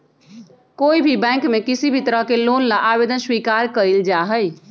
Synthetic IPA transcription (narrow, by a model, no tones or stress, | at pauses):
koːibʱibɛ̃ŋkmekisibʱit̪əɾəɦkelonlaʔabed̪ənswikaɾkəild͡ʒaɦəj